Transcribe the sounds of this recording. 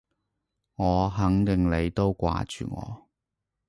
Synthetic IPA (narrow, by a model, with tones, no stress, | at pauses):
ŋɔː˨˧ɦɐ˨˥ŋt̪ɪ˨ŋle˨˧jt̪o˥wkʷa̰ː˧t͡ʃy̰ː˨ŋɔ̰ː˨˧